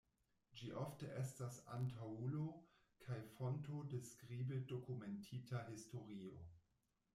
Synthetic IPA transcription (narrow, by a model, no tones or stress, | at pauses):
d͡ʒiʔofteʔestasa̰ntawulo̞ | kʰajfontodeskʁibedo̞kumentʰitʰaɦisto̞ɾio̞